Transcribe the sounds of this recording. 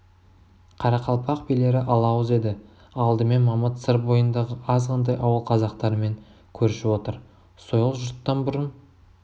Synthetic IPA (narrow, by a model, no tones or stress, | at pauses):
qʰɑɾɑqʰɑlˠpʰɑq̚pejle̞ɾɪʔɑlˠɑwəze̞d̪ɪ | ɑlˠd̪əme̞nmɑmɑt̪səɾbo̞jənd̪ɑʁəʔɑzqʰɑnd̪ɑjʔɑwəlˠqʰɑzɑqt̪ɑɾəme̞ŋ | kʲʰɵɾʃɪwo̞t̪əɾ | so̞jlˠəqʒʊɾt̪ːɑnbʊɾən